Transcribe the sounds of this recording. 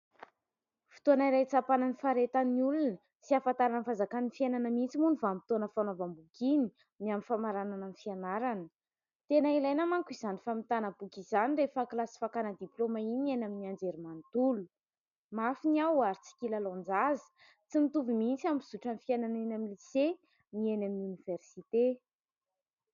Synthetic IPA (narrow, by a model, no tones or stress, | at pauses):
fi̥t̪oanaiɾajt͡sapananifaɾet̪əniulunə | siafant̪aɾanəfazakaninfiananəmint͡simunifamit̪onəfanavambukini | miamifamaɾanananifianaɾanə | t̪enailajnamaŋkuizanifamit̪anabukizanirefaklasi̥fakanəd̪iplomainenaminiand͡zeɾimant̪ulu | mafiniawaɾit͡si̥kʲilalõnd͡zazə̥ | t͡simit̪uvimint͡sambiz̥uʈ͡ʂanifiananenamilise | nienaminuniv̥ersit̪e